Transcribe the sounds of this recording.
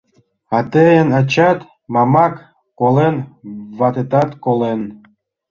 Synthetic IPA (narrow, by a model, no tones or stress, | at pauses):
ɑt̪ejənɑt͡ɕɑt̪ | mɑmɑkː | olenβɑt̪et̪ɑt̪kolen